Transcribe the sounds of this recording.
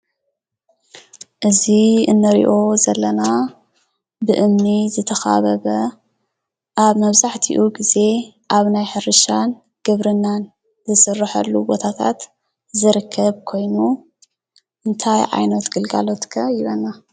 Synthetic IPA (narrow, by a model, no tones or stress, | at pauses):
ʔɨziɨnːɨɾḭʔo̞zɐlːɐna | bɨʔɨmnizɨt̪ʰɐxa̰βɐβɐ | ʔaβmɐβzaħt̪ʰiʔuɡize̞ | ʔaβnajħɨɾɨʃan | ɡ̥ɨβɾɨnːan | zɨsɨrːɨħɐ̰lːubot̪ʰat̪ʰa̰t̪ | zɨɾɨkʰːɐβkʰo̞jnu | ʔɨnt̪ʰajʕa̰jnɐt̪ɡɨlɡa̰lo̞t̪kʰɐjɪβɐnːa